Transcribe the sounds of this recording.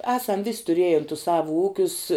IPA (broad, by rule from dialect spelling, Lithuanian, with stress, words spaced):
ˈæːsɐm ʋʲɪsʲ tʊˈrʲeːjɛn tʊs ˈsɑːʋʊ ˈuːkʲʊs